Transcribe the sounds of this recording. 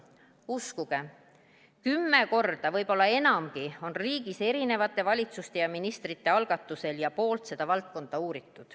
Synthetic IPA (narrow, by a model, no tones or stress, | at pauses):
uskuɡ̥e̞ | kymːe̞ko̞rd̪̥ɑvɤjbo̞lːɑe̞nɑmɡio̞nriːɡ̥ise̞ɾine̞vɑt̪ːˑe̞vɑlʲit̪sust̪e̞jɑminist̪rit̪ːe̞ɑlɡ̥ɑt̪ːˑuse̞ljɑpo̞ːlt̪se̞d̪̥ɑvɑlt̪̚ko̞nd̪̥ɑuːɾit̪ːˑud̪̥